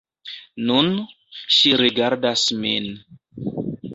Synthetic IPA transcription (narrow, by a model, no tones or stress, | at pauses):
nun | ʃiɾiɡaɾdasmin